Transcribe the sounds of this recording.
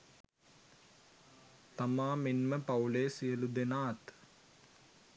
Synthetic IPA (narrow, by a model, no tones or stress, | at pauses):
t̪ɐmaːminmɐpɐwleːsijɐlud̪enaːt̪